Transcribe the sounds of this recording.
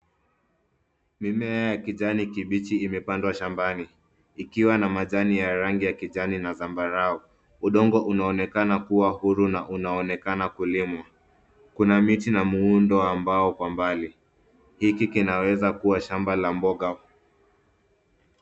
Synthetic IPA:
mimɛajakiʄanikiɓit͡ʃiːmɛpandwaʃambaniː | kiwanamaʄanijaɾaŋɡijakiʄaninazambaɾaɔ | uɗɔŋɡɔʔunaɔnɛkanakuwahuɾunaʔunaɔnɛkanakulimwa | kunamitinamuundɔambaɔkwambali | hikikinawɛzakuwaʃambalambɔɠa

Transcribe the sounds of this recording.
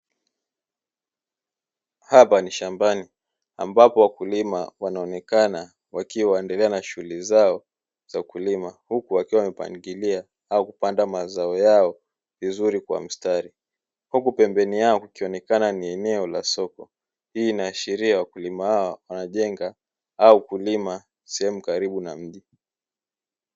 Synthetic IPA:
hapaniʃambani | a̰mbapɔwakulimawanaɔnɛkana | wakiwaɛndɛlɛanaʃuulizaɔ | z̥aukulimahukuwakiwawamɛpa̰ŋɡilia | aɔkupandamazaɔjaɔ | vizuɾikwa̰m̩staɾi | hukupɛmbɛniaɔkukiɔnɛkananiɛnɛɔla̰sɔkɔ | hiːnaːʃiɾiawakulimahaɔwanaʄɛŋɡa | aukulima | sɛhɛmukaɾiɓunam̩ʄi

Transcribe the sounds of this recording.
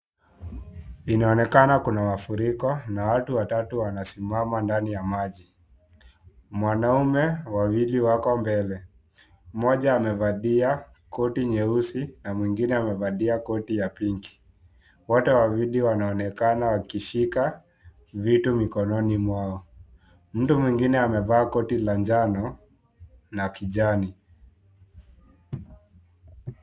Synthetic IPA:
inaɔnɛkanakunamafuɾikɔnawatuwatatuwanasimamandanijamaʄi | mwanaumɛwawiliwakɔmbɛlɛ | mɔʄaːmɛvaɗia | kɔtiɲɛusinamwiŋɡinɛamɛvaɗiakɔtijapiŋɡi̥ | wɔtɛwaviɗiwanaɔnɛkanawakiʃika | vitumikɔnɔnimwaɔ | m̩tumwiŋɡinɛamɛvaːkɔtilaɲd͡ʒanɔ | nakiʄani

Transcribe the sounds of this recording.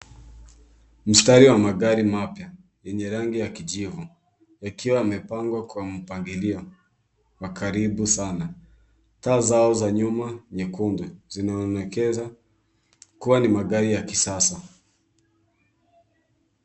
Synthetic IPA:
m̩staɾiwamaɠaɾimapja | jɛɲɛɾaŋɡijakiʄivu | akʰiwaːmɛpaŋɡwakwam̩paŋɡiliɔ | wakʰaɾiɓusana | taːzaɔzaɲumaɲɛkunduzinaɔnɛkɛza | kuwanimaɠaɾijakisasa

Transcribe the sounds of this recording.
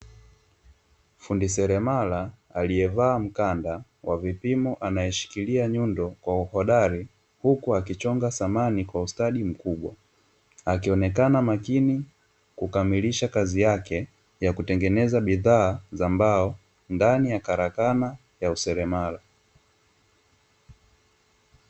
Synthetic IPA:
fundisɛɾɛmala | aliɛvaːm̩kanda | wavipimɔʔanajɛʃi̥kiliaɲundɔkwauhɔɗaɾi | hukuakit͡ʃɔŋɡasamanikwaustaɗim̩kuɓwa | akiɔnɛkanamakini | kukamiliʃakazijakɛ | jakutɛŋɡɛnɛzaɓiðaːzambaɔ | ndanijakaɾakana | jausɛɾɛmala

